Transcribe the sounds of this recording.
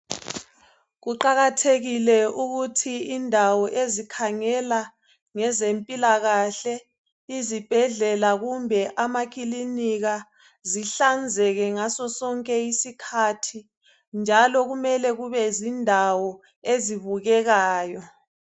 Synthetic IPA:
ɣuǃaɣatʰeɣilɛuɣutʰiːndʱawɔʔezikʰaŋɛla | ŋɛzempʼilaɣaɬɛ | izib̥ʱɛɮɛlaɣumbʱɛʔamak̬ʼiliniɣa | ziɬand͡zʱɛɣɛŋasɔsɔŋkʼɛisikʰatʰi | nd͡ʒʱalɔɣumɛlɛɣuβɛzindʱawɔ | eziβuɣɛɣaːjɔ

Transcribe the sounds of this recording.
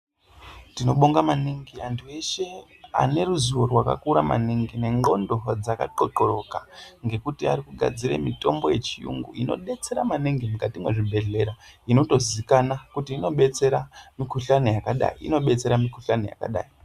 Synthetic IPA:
tino̞ɓoŋɡamaniŋɡiantʰue̞ʃe̞ | a̰ne̞ruzuworwaka̰kuɾama̰niŋɡine̞ŋo̞ndo̞d͡zaka̰ǃo̞ǃo̞ɾo̞kaŋɡe̞kutia̰ɾikuɡʱa̰d͡ziɾe̞̰mito̞mbo̞je̞t͡ʃijṵŋɡṵino̞̰ɓe̞t͡se̞ɾamaniŋɡimukatimwe̞ʐibʱe̞ɮe̞ɾaino̞to̞zikanakutiːno̞ɓe̞t͡se̞ɾamikuɬanejakaɗa̰iḭno̞ɓe̞t͡se̞ɾamikuɬanoja̰ka̰ɗa̰ːi

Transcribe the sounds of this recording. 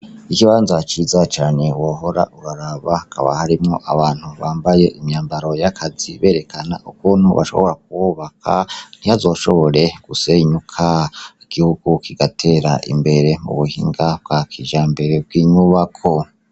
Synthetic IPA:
ikiβaːnzat͡ʃiːzat͡ʃaːɲe̞woːɦo̞ɾa̰ʔuɾaɾaβakʰa̰βa̰haɾimŋo̞ʔaβaːn̥huβaːmbaje̞ʔimɲaːmbaɾo̞jakʰaziβe̞ːɾe̞kana̰ʔukuːn̥uβa̰ʃo̞̰βo̞ɾak̚uwuβakʰa̰n̥ihazo̞ːʃo̞βo̞ɾe̞ɡ̥useɲukʰaiɡ̥ihuɡ̥ukiɡ̥atʰe̞ːɾaʔḭmbe̞ɾe̞mṵβuhḭːŋɡab̚ɡakʰiʒambe̞ɾe̞b̚ɡwiːɲuβakʰo̞

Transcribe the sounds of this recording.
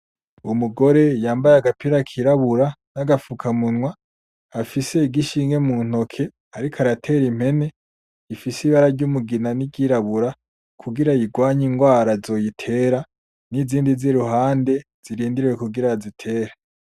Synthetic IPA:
umuɡo̞ɾe̞jaːmbajaɡapiɾakʰiɾaβuɾanaɡafukʰamunŋwaː | fise̞iɡiʃiːŋɡe̞mun̥o̞kʰe̞ | aɾikʰaɾatʰe̞ɾim̥e̞ne̞ | ifisiβaɾaɾɟumuɡinaniɡiɾaβuɾa | kʰuɡiɾajiɡwaːɲiŋɡwaːɾazo̞jitʰe̞ɾa | niziːndiziɾuɦaːnde̞ | z̥iɾiːndiɾiwekuɡiɾazitʰe̞ːɾa

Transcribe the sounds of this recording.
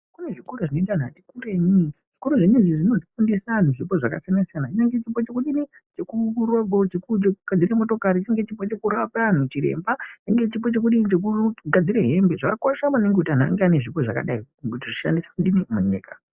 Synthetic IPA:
kuneʐikuɾaʐinoitan̤atikureɲi | ʐ̥ikuɾuʐeɲuʐiʐino̞ti̥fundisan̤uʐipo̞ʐaka̰sijanasijanaineŋɡe̞t͡ʃipo̞t͡ʃe̞kuɗini | t͡ʃe̞kuroɡʱo̞t͡ʃekut͡ʃekuɡ̥ad͡ziɾamo̞to̞kaɾit͡ʃaŋɡet͡ʃipot͡ʃe̞kuɾapan̤ut͡ʃiɾḛmbaneŋɡet͡ʃipo̞t͡ʃe̞k̬uɗinit͡ʃek̬uɡad͡ziɾeɦe̞mbe̞ʐakakoʃamane̞ŋɡekutian̤a̰ŋɡeane̞ʐipo̞ʐa̰ka̰ɗai | kutiʐiʃa̰ndisḁkɗinimuɲḭːka̰

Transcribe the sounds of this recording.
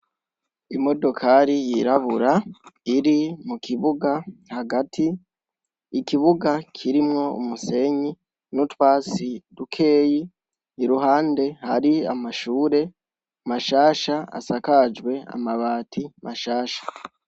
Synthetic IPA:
imo̞do̞kʰaɾijiɾaβuɾaiɾimukʰiβuɡahaɡatʰiː | kiβuɡakʰiɾimŋo̞ṵmuse̞ɲi | nutwaːt͡sidukʰe̞ːji | iɾuɦaːnde̞haɾia̰maʃuːɾe̞ | maʃaːʃaa̰sakad͡ʒwe̞a̰maβaːtʰimaʃaːʃḁ

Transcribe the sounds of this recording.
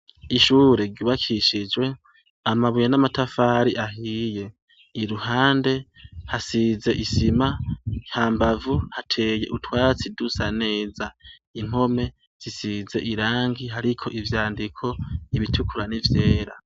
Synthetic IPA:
iʃuːɾe̞ɾɟuːβakʰiʃid͡ʒwe̞ | amaβujenamatafaɾiʔaɦije̞ | iɾuhaːnde̞hasize̞ʔisimahaːmbavuhatʰe̞ːje̞ʔutwaːt͡sidusane̞ːza | im̥ho̞me̞ | z̥isize̞̰ʔiɾaːŋɡiɦaɾikʰo̞ʔivjaːndikʰo̞iβitʰukʰuɾanivje̞ːɾa̰

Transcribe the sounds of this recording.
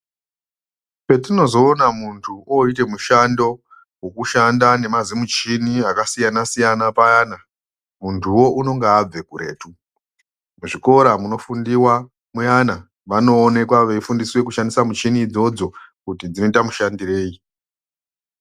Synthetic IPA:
pe̞tino̞zo̞ːnamuntʰuoit̬e̞muʃando̞ | wo̞kuʃandane̞mazimut͡ʃiniakasijanasijanapajana | muntʰuwo̞ʔuno̞ŋɡaːb͡ve̞kuɾe̞̰ːtu | muʐiko̞ɾamuno̞fundiwa | mujana | ʋano̞ːne̞kwaʋeifundiswe̞kuʃandisamut͡ʃinid͡zo̞d͡zo̞kutid͡zinotamuʃandire̞ːi

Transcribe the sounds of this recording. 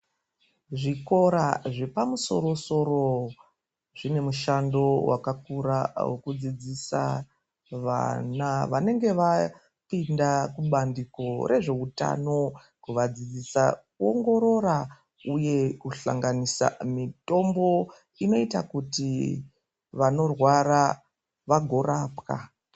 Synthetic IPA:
ʐiko̞ɾaʐe̞pamuso̞̰ɾo̞so̞ɾo̞ | ʐine̞muʃando̞wakakuɾawḛkud͡zid͡zisa̰ | ʋa̰naʋane̞ŋɡe̞ʋa | pindakuɓandiko̞ɾʔe̞ʐe̞uta̰no̞ | kuʋad͡zid͡zisakuoŋɡo̞ɾo̞ɾa | uje̞kuɬa̰ŋɡanisa̰mito̞mbo̞ | ino̞itakuti | ʋano̞rwara | ʋaɡʱo̞ɾaːpka̰

